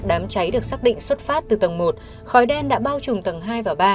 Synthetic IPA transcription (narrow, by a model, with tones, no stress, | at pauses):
ɗaː˨˦mt͡ɕa˨˦jɗɨ˨˩ək̚saː˦˥k̚ɗḭ˧˨ŋ̟swə˦˥t̚faː˦˥t̚t̪ɨ˨˩t̪ə˨˩ŋmo˨˩t̚ | xɔ˨˦jɗɛ˧nɗa̰ː˧˥ɓaː˧wt͡ɕʊ˨˩ŋ͡mt̪ə˨˩ŋɦaː˧jvaː˨˩ɓaː˧